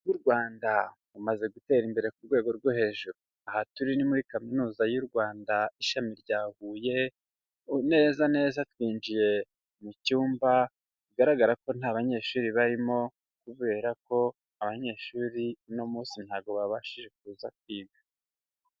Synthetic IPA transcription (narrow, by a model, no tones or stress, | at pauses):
wuɾɡwaːnda | umaze̞ɡute̞ːɾimbe̞ɾe̞kuɾɡwe̞ːɡo̞ɾɡohe̞ːʒuɾu | ahatuɾinimuɾikaminuːzajuɾɡwaːndaiʃamiɾɟaːβuːje̞ | ne̞ːzane̞ːzatwiːnd͡ʒije̞ | mucuːmba | tuɡaɾaɡaɾako̞n̥aːβaɲe̞ːʃuːɾiβaɾimo̞ | kuβe̞ːɾako̞ | aβaɲe̞ʃuːɾino̞muːsin̥haːɡo̞βaβaʃiʒe̞k̚uːzak̚wiːβa